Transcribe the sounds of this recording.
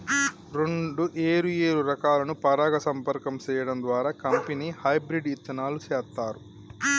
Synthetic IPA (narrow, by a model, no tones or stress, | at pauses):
ɾeɳɖuʔeːɾujeːɾuɾɐkaːlɐnupɐɾaːɡɐsɐmpɐɾkɐmt͡ʃɛːjɐɽɐnd̪ʋaːɾaːkɐmpeniːhɐjbɾiɖit͡ʃːɐnaːlut͡ʃɛːst̪aːɾu